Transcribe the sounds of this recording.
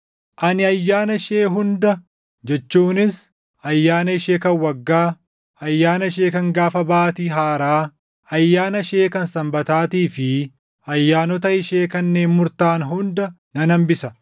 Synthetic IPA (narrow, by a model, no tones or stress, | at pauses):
ʔɐnɪɐjːaːnɐʃeːɦʊnd̪ɐ | d͡ʒɛt͡ʃːuːnɪs | ɐjːaːnɐɪʃeːkɐnwɐɡːaː | ɐjːaːnɐɪʃeːkɐŋɡaːfɐbaːt̪iːɦaːɾaː | ɐjːaːnɐʃe̞ːkɐnsɐmbɐt̪aːt̪iːfɪ | ɐjːaːnɔt̪ɐɪʃeːkɐnːe̞ːnmʊɾt̪aːnɦʊnd̪ɐ | nɐnɐmbɪsɐ